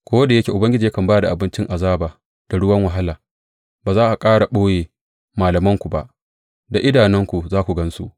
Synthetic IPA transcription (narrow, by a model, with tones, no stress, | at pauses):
kʷoː˦wɐ˦da˨jɐ˦kʲe˨ʔʊ˨bɐ˦ŋɡʲɪ˦d͡ʒiː˨ja˦kɐ˨mbaː˦da˨ʔa˨bɪ˦nt͡ʃɪ˦ŋʔa˨zaː˦baː˨ | d̥a˨ɽʊ˦wɐ˦ŋwɐ˨ɦa˦laː˨ | baː˨zaː˦ʔa˨kʼaː˦ɽa˨ɓoː˦jeː˨ | maː˨lɐ˨mɐ˦ŋkʷu˨ba̰˦˨ʔ | da˨ʔɪ˦daː˨nɛ˦ŋkʷu˨zaː˦kʷu˨ɡɐ˦nsṵ˦ʔ